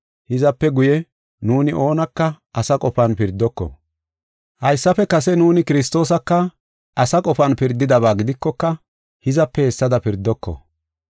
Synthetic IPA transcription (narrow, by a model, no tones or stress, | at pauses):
hɪzɐpːɛɡʊjɛ | nuːnɪʔoːnɐkːɐ | ɐsɐkʼɔfɐnpɪɾd̪ːɔkːɔ̰ | hɐjsːɐfɛkɐs̬ɛnuːnɪkɪɾɪs̬t̪o̞ːs̬ɐkːɐ | ɐsɐkʼɔfɐnpɪɾd̪ːɪd̪ɐβaːɡɪd̪ɪkːɔkːɐ | hɪzɐpːɛhɛsːɐd̪ɐpɪɾd̪ːɔkːɔ̰